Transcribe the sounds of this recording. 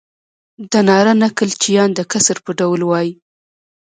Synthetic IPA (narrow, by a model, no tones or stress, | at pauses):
d̪ənɑɾanakəlt͡ʃijɑnd̪əkasəɾpəɖawlwɑji